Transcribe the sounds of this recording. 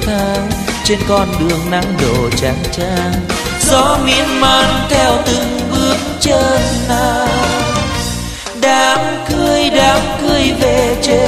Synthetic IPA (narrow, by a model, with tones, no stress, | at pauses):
aː˧t͡ɕe˧nkɔ˧nɗɨ˨˩əŋna̰˧˥ŋɗo̰˧˩˨t͡ɕa˨˦ŋt͡ɕaː˧ŋ | zɔ˨˧˦mi˧˥ənmaː˧nt̪ʰɛ˧wt̪ɨ˧˩ŋɓɨ˨˧˦əŋt͡ɕəː˧nːa˧ | ɗaː˨˦mkɨ˧əjɗaː˨˦mkɨ˧əjve˨˩t͡ɕe˧˦